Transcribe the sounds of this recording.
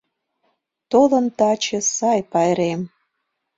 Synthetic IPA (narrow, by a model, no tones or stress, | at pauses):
t̪olə̆nt̪ɑt͡ɕĕsɑjpɑjɾem